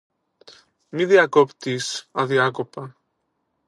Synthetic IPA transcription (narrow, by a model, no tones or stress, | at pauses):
miðiakopt̪isaðjakopɐ